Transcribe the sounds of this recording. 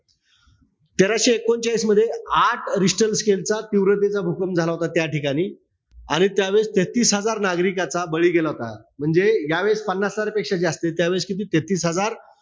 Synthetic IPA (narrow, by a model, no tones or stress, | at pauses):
t̪eɾaɕiekːoɲt͡ɕaisməd̪ʱːjeaʈʰɾisʈəlskelt͡sat̪iʋɾət̪̬et͡sabʱukəmd͡zʱalaɦot̪at̪jaʈikañiː | aɽ̃it̪jaʋeɭst̪et̪iːsɦəd͡zaɾnaɡɾikat͡sabəɭiːɡelaɦot̪a̰ | m̤əɳd͡zejaʋəɭspənːasəd͡zaɾpekʂat͡ɕeəst̪et̪jaʋeɭskit̪̬iːt̪et̪iːsɦəd͡zaɾ